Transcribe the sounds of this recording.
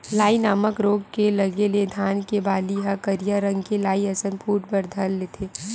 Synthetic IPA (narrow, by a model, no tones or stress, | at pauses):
laːinaːməkɾoːɡkelɐɡeled̪ʱaːnkebaːliɦɐkəɾijaɾə̃ŋɡkelaːiɐsənpʰuːʈ̚bəɾd̪ʱəlːet̪ʰeː